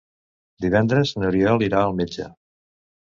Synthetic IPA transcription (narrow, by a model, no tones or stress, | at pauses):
d̪iβɛnd̪ɾəznuɾiɔliɾaəlˠmed͡ʒə̰